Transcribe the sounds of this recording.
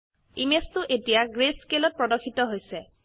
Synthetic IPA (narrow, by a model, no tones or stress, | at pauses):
imestʊʔetijaɡɹeskelɔt̚pɹɔdɔkʰitɔɦojsɛ